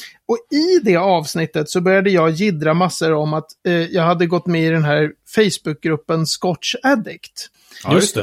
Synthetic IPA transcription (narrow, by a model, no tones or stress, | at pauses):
ɔɪd̪ɛɑːvsnɪt̪ːət̪sɔbœɾjad̪əjɑːɡjɪd̪ɾamasːəɾɔmat̪jɑːɡhad̪ːəɡɔt̪ːmɛɪd̪ɛnɦæːɾ | fɛjsbɵk̚ɡɾɵpːənskɔtʂɛd̪ɪkt̪ | t̪